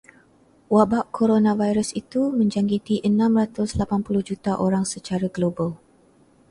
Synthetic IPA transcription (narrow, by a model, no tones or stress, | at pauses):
wabaʔkʰoɾonãvajɾəsit̪umə̃ɲd͡ʒaŋɡit̪iʔənãmɾat̪ʊslapanpuluhd͡ʒut̪aʔoɾaŋsət͡ʃaɾaɡlobəl